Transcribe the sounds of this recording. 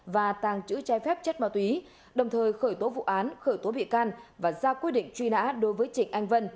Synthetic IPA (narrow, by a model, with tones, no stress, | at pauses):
vaː˨˩t̪aː˨˩ŋt͡ɕɨ̰˧˥t͡ɕaː˨˦jfɛ˦˥p̚t͡ɕə˦˥t̚maː˧wt̪wi˨˦ | ɗə˨˩wŋ͡mt̪ʰəː˨˩jxəː˧˩jt̪o˨˦vṵ˧˨ʔaː˨˦nxəː˧˩jt̪o˨˦ɓḭ˧˨kaː˧nvaː˨˩zaː˧kwi˦˥t̚ɗḭ̈˧˨ŋ̟t͡ɕwi˧na̰ː˧˥ɗo˨˦jvəː˨˦jt͡ɕï˧˩ŋ̟ʔa˧jŋ̟və˧n